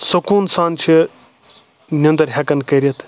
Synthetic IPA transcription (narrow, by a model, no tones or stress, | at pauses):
sokuːnsaːnt͡ʃʰi | nʲɐnd̪ɐɾɦʲɐkɐnkɐːɾiɐt̪ʰ